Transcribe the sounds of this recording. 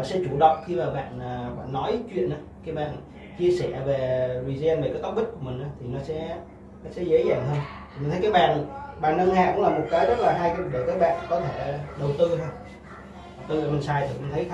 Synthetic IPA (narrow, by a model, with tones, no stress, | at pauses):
sɛ̰˧˥t͡ɕu˧˩ɗə̰˧˨wŋ͡mxi˧maː˨˩ɓa̰ː˧˨nəː˨˩ɓa̰ː˧˨nːɔ˨˦jt͡ɕwḭ˧˨ənʔaː˨˦kaː˨˦jɓa̰ː˧˨n | t͡ɕi˧əsɛ˧˩ve˨˩zwi˨˩zɛ˧nve˨˩kːaː˨˦jk̪k͡p̚ɓi˦˥t̚ku˧˩əmï˨˩ŋ̟ʔaː˨˦t̪ʰi˨˩nɔ˨˦sɛ̰˧˥ | nɔ˨˦sɛ̰˧˥zə˨˦zaː˧˩ŋhəː˧nʰi˨mi˨˩ə˨˦kaː˨˦jɓa̰ː˧˨n˨ɓaː˧˨nːə˧ŋhaː˧˨kʊ̰˧˥ŋ͡mlaː˨˩mo˨˩t̚kaː˨˦jzə˦˥t̚laː˨˩ɦaː˧jkaː˨˦ɗe˧˩kaː˨˦˥jɓa̰ː˧˨nkɔ˨˦t̪ʰe˧˩ɗə˨˩wt̪ɨ˧t̪ʰo˧j | a˨˩wt̪ɨ˧a˧˩mi˨˩ŋsaː˨˩jt̪ʰi˨˩kʊ̰˧˨ŋ͡mt̪ʰə˨˦jt̪ʰ